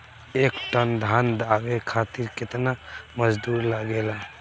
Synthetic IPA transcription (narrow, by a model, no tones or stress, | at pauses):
ekʈənd̪ʱand̪aɡekʰat̪iɾket̪namʌd͡ʒd̪uɾlaɡela